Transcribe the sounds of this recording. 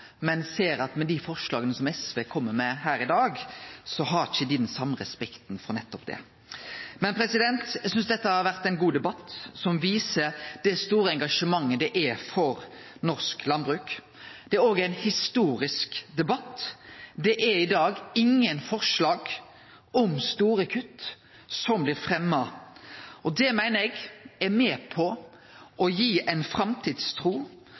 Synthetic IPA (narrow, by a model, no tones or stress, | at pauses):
mɛnseːɾɑt̪mɛd̪ifɔʁʂlɑːɡənəsɔmɛsʋeːkʰɔmːəmɛhæːɾɪd̪ɑːɡsɔɦɑɾɪçəd̪ɪd̪nsɑmːɾɛspɛkt̪nfɔnɛt̪ːɔpd̪ɛ̰ | mɛnpʰɾɛsɪd̪ɛnt̪jæɪsʏnsd̪ɛt̪ːəhɑɾʋæʁt̪ɛɪnɡuːd̪ɛbɑt̪ːsɔmʋiːsəɾd̪̥ɛst̪uːɾəɛŋɡɑʂəmɑŋːəd̪ɛʔɛfɔɾ | nɔɾsklɑnbɾʉːk | d̪̥ɛæɾoːɡæɪnhɪst̪uːɾɪskd̪ɛbɑt̪ːd̪ɛʔæɾɪd̪ɑːɡɪŋːənfɔʁʂlɑːɡ | ɔmst̪uːɾəkʰʉt̪ː | sɔmblɪɾfʁɛmːɑ | ʔɔd̪ɛmæɪnəɾɛɡɛɾmɛːpʰɔ | ɔjiːʔæɪnfɾɑmt̪ʰiːd̪st̪ʰɾuː